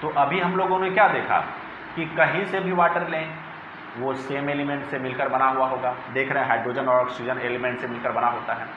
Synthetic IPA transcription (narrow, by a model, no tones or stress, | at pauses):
t̪oːʔɐbʱiɦɐmloːɡõnekjaːd̪eːkʰa̰ | kikɐɦĩsebʱiʋaːʈəɾlẽ | ʋoseːmeːlɪmẽːɳʈsemɪlkəɾbɐnaɦuaɦoːɡaːd̪eːkʰɾəɦẽɦaːɖɾoːd͡ʒənɔːɾɔːksid͡ʒəneːlemẽːɳʈsemɪlkəɾbɐnaɦoːt̪aɦɛː